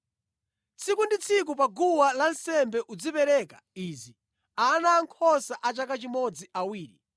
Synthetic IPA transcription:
t͡sʰikundit͡sʰik̬upaɡuwalansɛmbɛʔud͡zipɛɾɛka | iːzi | anaːŋkʰɔsaʔat͡ʃakat͡ʃimɔd͡ziawiːɾi

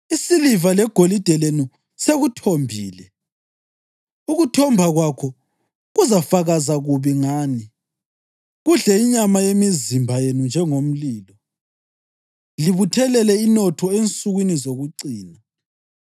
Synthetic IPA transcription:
isilivalɛɡ̥ʱolid̥ʱɛlenu | seɣutʰombʱiːlɛ | uɣutʰɔmbʱaɣwakʰɔ | ɣuzafaɣazaɣuβiŋaːni | ɣuɮɛiɲamajemizimbʱajenund͡ʒʱɛŋom̩liːlɔ | liβutʰɛlɛlɛinɔtʰɔent͡sʼuɣwinizoɣuǀiːna

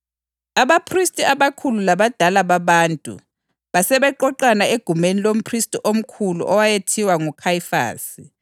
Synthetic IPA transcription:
aβapʰristʼiaβakʰululaβad̥ʱalaβaβaːntʼṵ | βasɛβɛǃɔǃanaeɡ̥ʱumenilom̩pʰristʼiʔom̩kʰulṵʔɔwajetʰiwaŋukʰajifa̰ːsi

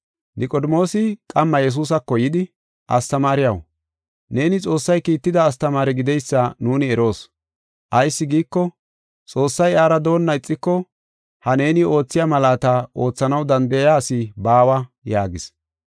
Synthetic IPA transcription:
nɪkʼɔd̪ɪmo̞ːsɪkʼɐmːɐjɛs̬uːs̬ɐkːɔjɪd̪ɪ | ʔɐ̰st̪ɐmaːɾɪjɐw | ne̞ːnɪt͡sʼo̞ːsːɐjkiːt̪ːɪd̪ɐːst̪ɐmaːɾɪɡɪd̪ɛjsːɐnuːnɪɛɾo̞ːs | ʔɐjsːɪɡiːkːɔ | t͡sʼo̞ːsːɐjaːɾɐd̪o̞ːnːɐɪt͡sʼːɪkːɔ | hɐne̞ːnɪo̞ːt͡sːɪjɐmɐlaːt̪ɐo̞ːt͡sːɐnɐwd̪ɐnd̪ɐjaːsɪbaːwɐjaːɡɪs

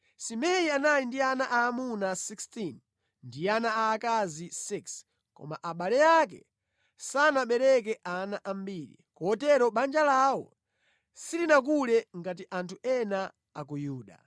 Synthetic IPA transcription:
simɛjianajindianaʔaːmunasikstin | ndianaaːkazisiks | kɔ̰ma̰ʔaɓalɛjak̬ɛ̰ | sanaɓɛɾɛk̬ɛʔanaʔambiɾḭkɔɔtɛɾɔɓand͡ʒalawɔ̰ | silinak̬ulɛŋɡat̬iʔantʰuɛna | ak̬ujuːɗa̰

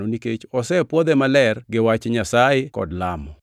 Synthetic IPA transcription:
nɔniket͡ʃɔsɛpwɔd̪ɛmalɛrɡɪwat͡ʃɲasajɪkɔ̰dlamɔ

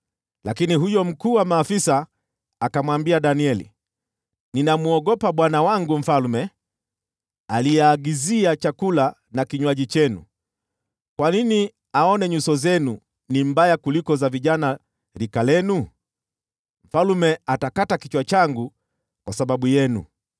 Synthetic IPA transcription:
lakiniɦujɔm̩kuːwamaːfisaː | kamwambiaɗaniɛlḭ | ninamuɔɠɔpaɓwanawaŋɡum̩falmɛ | alijɛːɡiziat͡ʃakula | nakiɲwaʄit͡ʃɛnṵ | kwanini | aɔnɛɲusɔzɛnu | nimbajakulikɔzaviʄana | ɾikalɛnu | m̩falumɛatakatakit͡ʃwat͡ʃaŋɡu | kwasaɓaɓujɛnṵ

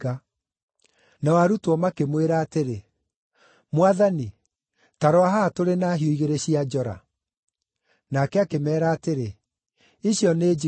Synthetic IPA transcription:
a | nawaɾutwɔmakemweɾaːteɾe | mwaðani | taɾɔaɦatoɾenaɦioiɣeɾeɕiad͡ʒɔɾa̰ | nakɛakemɛːɾaːteɾe | iɕjɔned͡ʒi

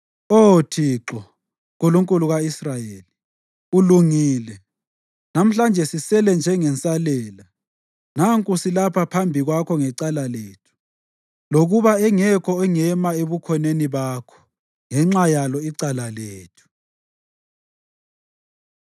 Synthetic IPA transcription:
otʰiːǁɔ | kʼuluŋkʼuluɣaisrajeːli | uluŋiːlɛ | nam̩ɬand͡ʒʱɛsisɛlɛnd͡ʒʱɛŋɛnt͡sʼalɛla | naŋkʼusilapʰapʰambʱiɣwakʰɔŋɛǀalaleːtʰu̥ | loɣuβaɛŋɛkʰɔɛŋɛmaeβukʰɔneniβakʰɔ̥ | ŋɛŋ͡ǁajalɔiǀalaleːtʰu̥

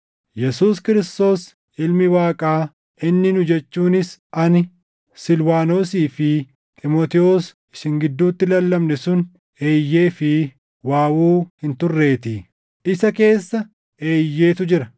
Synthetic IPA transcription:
jɛsuːskɪɾɪst̪o̞ːs | ʔɪlmɪwaːkʼaː | ʔɪnːɪnʊd͡ʒɛt͡ʃːuːnɪsʔɐn | sɪlwaːno̞ːsiːfɪ | t̪ʼɪmoːt̪ɪoːs | ɪʃɪŋɡɪd̪ːuːt̪ːɪlɐlːɐmnɛsʊn | e̞ːjːe̞ːfɪ | waːwuːhɪnt̪ʊrːe̞ːt̪ɪ | ʔɪsɐke̞ːsːɐ | e̞ːjːeːt̪ʊd͡ʒɪɾɐ

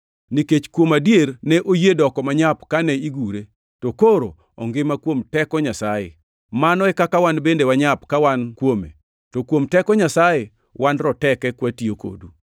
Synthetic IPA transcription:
niket͡ʃkwomadjernɛʔojedɔkɔmaɲapkanɛiɡuɾe | tokoɾo̰ | ɔ̰ŋɡɪmakwomtɛkɔɲasajḛ | manɔɛkakawanbendewaɲapkawankwomḛ | tokwomtɛkɔɲasaje | wanɾɔtɛkɛkwatioko̰du

